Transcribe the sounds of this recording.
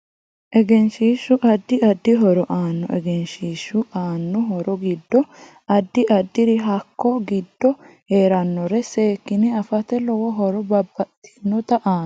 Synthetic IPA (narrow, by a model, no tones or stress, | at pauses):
ʔɛɡɛnʃiːʃʊʔɐd̪ːɪʔɐd̪ːɪɦɔɾɔʔaːnːɔʔɛ̰ɡɛnʃiːʃʊʔaːnːɔɦɔɾɔɡɪd̪ːɔ | ʔɐd̪ːɪʔɐd̪ːɪɾɪɦɐkʰːɔɡɪd̪ːɔ | heːɾɐnːɔɾɛseːkːɪnɪɐfɐt̪ɛlɔwɔɦɔɾɔbɐbːɐt̪ːɪ̥nːɔt̪ɐʔaː